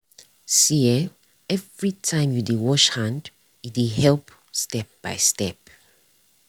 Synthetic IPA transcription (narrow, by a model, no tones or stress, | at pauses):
siɛ | ɛvɹitʰãɪ̃mjudiwɔʃhãnd | jidiɦɛlp | stɛp̚b̥a̰ɪstɛp̚